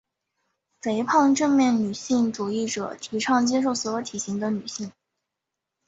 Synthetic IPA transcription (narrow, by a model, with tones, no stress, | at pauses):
fe˧˥ɪpʰɑ˥˧ŋʈ͡ʂɤ˥˧ŋmjɛ˥˩nny˨˩ɕi˥˩ŋʈ͡ʂu˨˩i˥˩ʈ͡ʂɤ̰˨˩t̪ʰi˧˥ʈ͡ʂʰɑ˥˧ŋt͡ɕjɛ˥ʂ̬o˥˩ʊs̩˧˥wɔ˧˥t̪ʰi˨˩ɕi˧˥ŋd̪ə˧ny˨˩ɕi˥˩ŋ